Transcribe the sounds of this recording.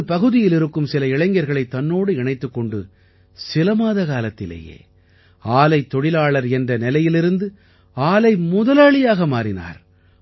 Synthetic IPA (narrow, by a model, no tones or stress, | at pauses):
ɯpɐɣɯðɪjɪlɪɾɯkːɯmsɪlɐɪɭɐŋɡɐɾɣɐɭɐɪt̪ːɐnːoːɽɯɪɳɐɪt̪ːɯkːɔɳɖɯ | sɪlɐmaːðɐɣaːlɐt̪ːɪlḛːjḛː | aːlɐɪt̪ːɔɽɪlaːɭɐɾɛndrɐnɪlɐjɪlɪɾɯnd̪ɯ | aːlɐɪmʊðɐlaːɭɪjaːɣɐmaːɾɪna̰ːɾ